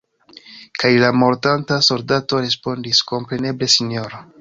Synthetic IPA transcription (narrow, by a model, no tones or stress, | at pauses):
kʰajlamo̞ɾtantaso̞ldato̞ɾe̞spo̞ndisko̞mpɾe̞ne̞ble̞sinjo̞ɾo